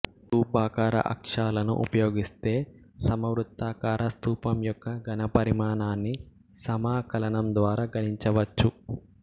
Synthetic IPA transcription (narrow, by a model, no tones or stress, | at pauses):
t̪uːbaːkaːɾɐ̰ʔɐ̰kʂaːlɐnṵʔṵpɐjoːɡist̪e̞ːsɐmɐʋɾut̪ːaːkaːɾɐst̪uːpɐmjɔkːɐɡɐnɐpɐɾimaːnaːnːi | sɐmaːkɐlɐnɐmd̪ʋaːɾaːɡɐniɲt͡ʃɐʋɐt͡ʃːu